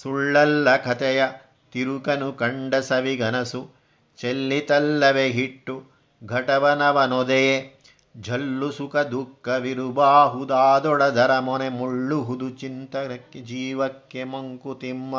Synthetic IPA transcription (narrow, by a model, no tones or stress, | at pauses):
suɭːɐlːɐkʰɐt̪ɛjɐ | t̪iɾukɐnukɐɳɖɐsɐʋiɡɐnɐsu | t͡ʃelːit̪ɐlːɐʋeɦiʈːu | ɡʱɐʈɐʋɐnɐʋɐnɔd̪eje | d͡ʒʱɐlːusukɐd̪ukːɐʋiɾubaːɦud̪aːd̪ɔɽɐd̪ʱɐɾɐmɔnemuɭːuɦud̪ut͡ʃint̪ɐɐkːed͡ʒiːʋɐkːjemɐŋkut̪imːɐ